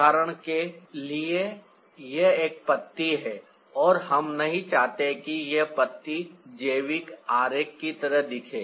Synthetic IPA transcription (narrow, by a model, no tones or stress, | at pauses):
aːɾəɽ̃kelie | jeeːk̚pɐt̪ːiɦɛː | ɔːɾɦɐmnɐɦĩt͡ʃaːɦt̪ekijepət̪ːid͡ʒeːʋɪkaːɾeːkːit̪ɐɾəɦd̪ɪkʰeː